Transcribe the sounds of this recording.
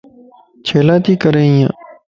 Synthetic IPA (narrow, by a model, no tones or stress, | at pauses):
t͡ʃʰeːlaːt̪iːkəɾeːijãː